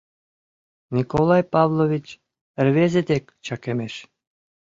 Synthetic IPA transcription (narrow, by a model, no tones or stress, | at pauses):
nʲikolˠɑjpɑvlˠovʲit͡ɕ | ə̆rβezed̪ekt͡ɕɑkemeʃ